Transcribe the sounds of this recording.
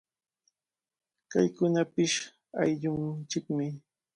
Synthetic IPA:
kajkʊnapɪʃ | ajʎʊŋt͡ʃɪkmɪ

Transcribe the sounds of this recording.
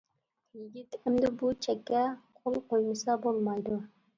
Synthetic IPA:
jɪɡʲit̪ɪmd̪ɪbut͡ʃʰɛkʲːɛqʰolˠqojmɨsɑbolˠmɑjd̪u

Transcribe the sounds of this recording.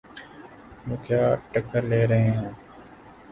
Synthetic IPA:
mũːkʰjaːʈəkəɾleːɾəɦẽːɦɛ̃ː

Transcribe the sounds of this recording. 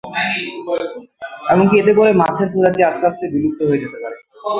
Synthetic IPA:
ɛmonkiet̪̬ep̬oɾemat͡ɕʰeɾpɾod͡ʑaʈiast̪aast̪ebiluk̚t̪ːoɦoed͡ʑet̪epaɾe

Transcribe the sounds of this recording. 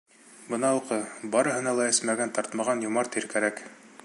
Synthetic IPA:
bɤ̆nɑuqɤbɑɾɤ̆ɦɤ̆nɑlˠɑɘ̆smæɡænt̪ɑɾt̪mɑʁɑnjŏmɑɾt̪iɾkæɾæk

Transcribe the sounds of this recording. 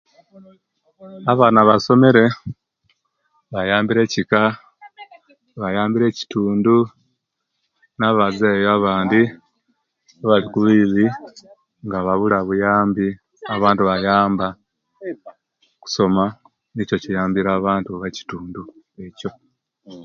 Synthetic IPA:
aβaːnaβaso̞me̞ɾe̞ | βajaːmbiɾe̞ːcika | βajaːmbiɾe̞ːci̥tuːndu | naβazeːjoaβaːndi | aβalikuβiβi | ŋɡaβaβulaβujaːmbi | aβaːntuβajaːmba | ku̥so̞ma | nico̞cijaːmbiɾaːβaːntuβaci̥tuːndu | e̞co̞

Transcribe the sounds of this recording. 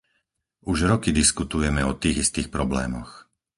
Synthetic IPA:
uʒɾɔkid̪iskut̪ujɛmɛɔt̪iːɣist̪iːxpɾɔblɛ̰ːmɔ̰x

